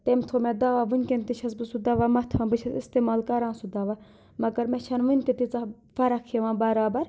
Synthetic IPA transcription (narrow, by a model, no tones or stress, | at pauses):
t̪emt̪ʰomɛ̃d̪ɐʋaːʋɨnʲkent̪iʃʰɐs̬bɨsud̪ɐʋamɐt̪ʰãːbɨʃʰɐsist̪eːmaːlkɐɾãːsud̪ɐʋa | mɐɡɐɾmɛ̃t͡ʃʰɐnʋɨnʲt̪et̪it͡sa | fɐɾɐkʰeʋãːbaːɾaːbɐɾ